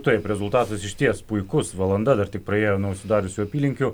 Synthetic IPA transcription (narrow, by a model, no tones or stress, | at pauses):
t̪ɐɪpɾʲɛzʊlˠt̪ɑːt̪ɐsɪʃʲt̪ʲiɛspʊɪkʊsʋɐlˠɐnd̪ɐd̪ɐɾt̪ʲɪk̚pɾɐeːjoːnɔʊʃsʲɪd̪ɑːɾʲʊsʲuːɐpʲiːlʲɪŋʲkʲu